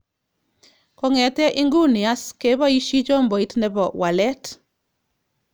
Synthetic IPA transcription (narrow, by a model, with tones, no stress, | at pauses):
kɔ˨ŋɛ˨tɛ˦ʔi˦ŋɡu˦nɪ˨a˦ske˦bɔ˦i˦ʃi˦t͡ʃɔ˦mbɔ˨i˦tnɛ˨bɔ˨wa˨lɛ˦t